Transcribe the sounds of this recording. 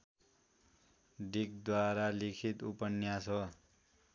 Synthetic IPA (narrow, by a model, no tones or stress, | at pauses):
ɖikd̪waɾalikʰit̪upʌnjasʰʌ